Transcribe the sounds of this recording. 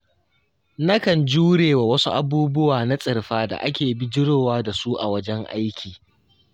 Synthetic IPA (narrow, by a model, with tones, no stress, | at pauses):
nɐ˦kɐ˨nd͡ʒuː˦ɽeː˨wa˨wɐ˦su˦ʔa˨buː˦bʊ˦waː˨na˦sʼɪ˨rɸaː˦da̰˨ʔa˦kʲeː˨bi˦d͡ʒɪ˦ɽoː˨waː˦da˨su˦ʔa˨wɐ˦d͡ʒɛ˦ŋʔa̰˦jkʲʰiː˨